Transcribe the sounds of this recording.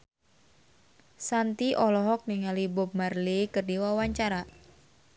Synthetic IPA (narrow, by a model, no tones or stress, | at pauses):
sant̪iʔɔlɔɦɔk̚niŋalibɔp̚marlikərdiwawaɲt͡ʃaɾa